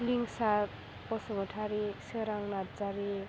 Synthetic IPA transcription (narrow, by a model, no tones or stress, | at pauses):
liŋsa | pɔsɔmɔʈʰaɾiseɾaŋnad͡zaɾi